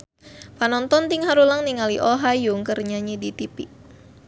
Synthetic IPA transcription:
panɔnt̪ɔnt̪iŋɦaɾulaŋniŋaliʔɔɦajuŋkərɲaɲidit̪ipḭ

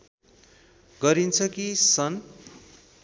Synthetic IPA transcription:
ɡʌɾint͡sʰʌkisʌn

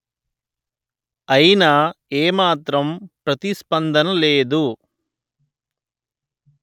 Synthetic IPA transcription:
ɐjinɐeːmaːt̪ɾɐmpɾɐt̪ispɐnd̪ɐnɐleːd̪u

